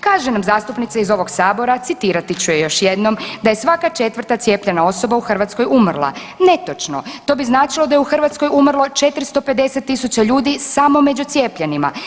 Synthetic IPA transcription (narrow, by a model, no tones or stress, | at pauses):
kaːʒenamzaːst̪upnit̪seizo̞ʋo̞ɡsaːbo̞ɾat̪sit̪iːɾat̪it͡ɕujejo̞ʃje̞d̪no̞md̪aje̞sʋakat͡ʃe̞t̪ʋər̩t̪at̪sje̞ːpʎe̞nao̞so̞bauxr̩ʋat̪skojumrlˠa̰ | ne̞t̪ot͡ʃno̰t̪o̞ːbiznaːt͡ʃilˠo̞d̪ajeuxrʋat̪sko̞jumr̩lˠo̞t͡ʃe̞t̪ɾist̪o̞pe̞d̪e̞set̪ːisut͡ɕaʎuːd̪isamo̞me̞d͡ʑut̪sje̞ːpʎenima̰